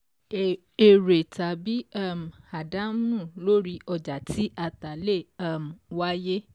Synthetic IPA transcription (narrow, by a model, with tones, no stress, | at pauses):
e˨ɾe˨ta˨bi˦a˦˨m̩˨ha˨da˨˦mũ˦˨lo˦ɾi˧ɔ˧d͡ʒa˨tʰi˨˦ʔa˧ta˨le˦˨a˦˨m̩˨wa˦je˦